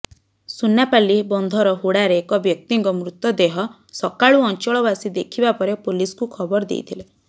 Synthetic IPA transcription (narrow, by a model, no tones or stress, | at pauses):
sunːapalibɔnd̪ʱɔɾɔɦuɽaɾeːkɔbjɔk̚t̪iŋkɔmɾut̪ɔd̪eɦɔ | sɔkaɭuɔnt͡ʃɔɭɔbasid̪ekʰibapɔɾepuliskukʰɔbɔɾɔd̪ḛjt̪ʰile